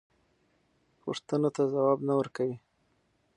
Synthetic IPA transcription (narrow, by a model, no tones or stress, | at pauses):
pṵʂt̪ənot̪azawɑbnawəɾkawi